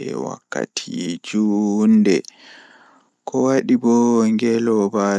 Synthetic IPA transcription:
ɛ̰wa̰kːa̰tʰid͡ʒundɛ | kʰɔwaɗibɔŋɡɛlɔba

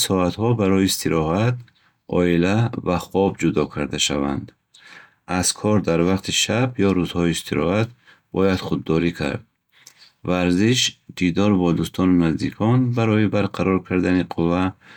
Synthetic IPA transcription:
sɔat̪hɔbaɾɔjiːst̪ʰiɾɔɦat̪̚ | ɔ̰ilavaχɔbd͡ʒud̪ɔkʰaɾd̪aʃava̰nd̪ | az̥kʰɔɾd̪aɾvaqt̪ʰiʃabjɔɾuzhɔiːst̪ʰiɾɔ̰hat̪̚ | b̥ɔjad̪̥χud̪ːɔɾikʰa̰ɾd̪̚ | vaɾziʃd̪id̪ɔɾbɔd̪ust̪ʰɔnunazd̪ikʰɔnbaɾɔjibaɾqʰaɾɔɾkʰaɾd̪aniqʰuva

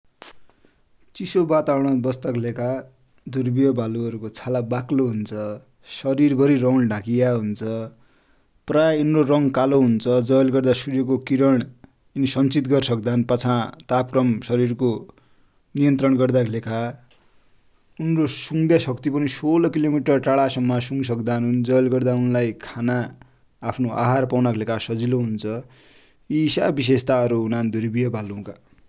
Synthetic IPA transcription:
t͡sisobat̪awɽ̃ʌbʌst̪ʌklekʰa | d̪ʱurbijʌbʱaluʌɾukot͡sʰalabakloɦunt͡sʰʌ | sʌɾirbʱʌɾirʌwnɖʱãkijaɦunt͡sʰʌ | praunrorʌŋkaloɦunt͡sʰʌd͡zʌjlɡʌrd̪asuɾjok̬okiɾʌɽ̃ | inisʌnt͡sit̪ɡʌrsʌk̚d̪anpat͡sʰãt̪ap̚krʌmsʌɾirko | nijʌnt̪rʌɳɡʌrd̪aklekʰa | unrosuŋd̪asʌkt̪ipʌnisolʌkilomiʈʌrʈaɭasʌmːʌsuŋsʌkd̪anund͡zʌjlɡʌrd̪aunlajkʰanaː | pʰnoʔa̰ɦarpawnaklekʰasʌd͡ziloɦunt͡sʰʌ | isabis̬est̪aʌɾuːnand̪ʱuɾibijʌbʱalũka

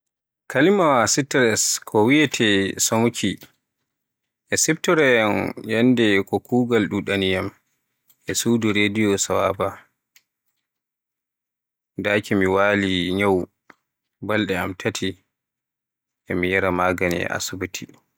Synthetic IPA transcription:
kalimawasitɾɛskʰɔwijɛtʰɛsomukʰi | ʔɛsɛbtɔɾɛjɛnjɛndɛkɔkuːɡalɗuɗanijam | ʔɛsuːduɾedijɔsawaba | daːkimiwaːliɲaw | balɗɛamtʰatʰi | ʔɛmijaɾamaɡanɛ̰ʔa̰subutʰi

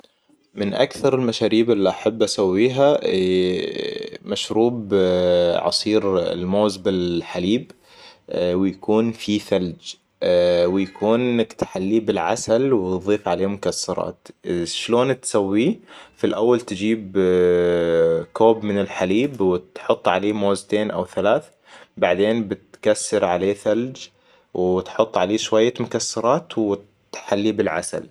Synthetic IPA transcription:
mɪnʔa̰kθɑɾˤɪlmaʃaːɾiːbʔɪlːiʔaħabːʔasawːiːɦa | maʃɾuːb | ʕɑ̰sˤiːɾɪ̰lmoːzbɪlħaliːb | wɪjakuːnfifald͡ʒ | wɪjakʰuːnkt̪ħalːiːbɪlʕa̰salwɪt̪ðˤiːfʕaleːmʊkasːɑɾˤɑ̰ːt̪ʃloːnt̪sawːifilʔawːalt̪ɪd͡ʒiːb | koːbmɪnɪlħaliːbwɪt̪ħʊt̪ˤːʕaleːmoːzt̪eːnʔa̰wθalaːθ | baʕd̪eːnbɪt̪kasːɑɾʕaleːθald͡ʒ | wɪt̪ħʊt̪ˤːʕaleːʃwajːamʊkasːɑɾˤɑːt̪wɪ | t̪ħalːibɪlʕa̰sa̰l

